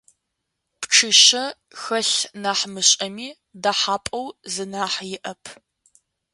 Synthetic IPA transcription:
pʈ͡ʂʰɨʃɐ | xɐɬnaːħmɨɕʼɐmiː | daːħaːpʼɐwzɨnaːħjɪʔɐpʰ

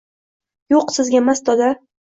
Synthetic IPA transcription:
joqsɪzɡʲaemasd̪ɒd̪a

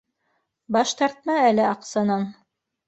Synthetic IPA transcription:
bɑʃt̪ɑɾt̪̚mɑælɘɑqsɑnɑn

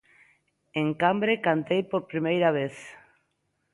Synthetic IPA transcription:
eŋkambɾekant̪ejpoɾpɾimejɾaβ̞eθ

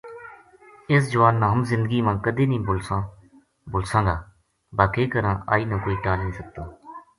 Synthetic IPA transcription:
ɪs̬d͡ʒʊʋaːnːãːɦəmzɪ̃nd̪əɡiːmãːkəd̪eːnĩːbʊlsãː | bʊlsãːŋɡaː | baːkeːkəɾãːʔa̰ːiːnãːkoːiːʈaːlnĩːsək̚t̪aː

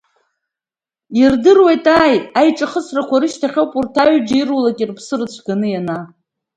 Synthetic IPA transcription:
irdɨrwejtʼaːjajʈ͡ʂʼaχəsʰrakʷʰaɾɨʃtʰaχʲowpʼurtʰaɥd͡ʒairwulakʲʼirpʰsɨrɨt͡ɕʷʰɡanɨjana

